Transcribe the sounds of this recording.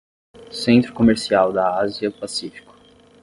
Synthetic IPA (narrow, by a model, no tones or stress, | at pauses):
sẽnt̪ɾʊkomeɾsiawd̪ɐaziɐpasifi̥kʊ̥